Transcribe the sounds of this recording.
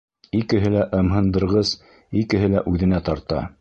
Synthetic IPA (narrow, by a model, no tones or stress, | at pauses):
ikɘ̆ɦɘlæʔɤ̆mɦɤ̆nd̪ɤ̆ɾʁɤz | ikɘ̆ɦɘlæʔʉðɘ̆næt̪ɑɾt̪ɑ̰